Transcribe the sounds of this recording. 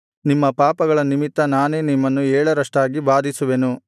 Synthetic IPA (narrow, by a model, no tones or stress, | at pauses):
nimːɐpaːpɐɡɐɭɐnimit̪ːɐnaːne̞ːnimːɐnːuɛːɭɐɾɐʂʈaːɡibaːd̪ʱisuʋe̞nu